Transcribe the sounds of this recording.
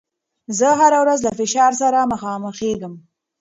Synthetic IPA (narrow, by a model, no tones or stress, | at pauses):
zəɦaɾawɾazlafɪʃɑɾsaɾamaxɑməxeɡəm